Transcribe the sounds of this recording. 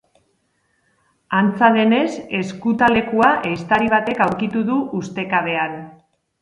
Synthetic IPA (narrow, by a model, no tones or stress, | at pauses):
ant͡saðe̞ne̞se̞skut̪ale̞kuaʔejst̪aɾiβ̞at̪e̞kawɾkit̪uðuʔːst̪e̞kaβ̞e̞aɾ